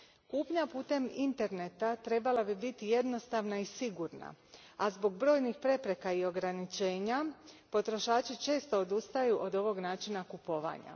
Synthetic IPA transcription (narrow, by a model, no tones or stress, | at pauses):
kuːpɲapuːt̪e̞mint̪e̞ɾne̞t̪at̪ɾe̞balabibit̪ije̞d̪no̞st̪aʋnaisiɡuɾna̰azbo̞ɡbɾo̞ːjnixpɾe̞pɾe̞kaio̞ɡɾanit͡ʃe̞ːɲa | po̞t̪ɾo̞ʃaːt͡ʃit͡ʃe̞ːst̪o̞od̪ust̪ajuʔo̞d̪o̞ʋo̞ɡnaːt͡ʃinakupo̞ʋa̰ːɲa̰